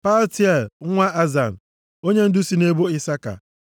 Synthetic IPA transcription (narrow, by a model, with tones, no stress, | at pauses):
pa˦lti˦ɛ˨l̩˨˦ŋʷa˦ʔa˦za˨n̩˨ | o˦ɲe˦n̩˦dʊ˦si˦ne˦bo˦ɪ˦sa˦ka̰˨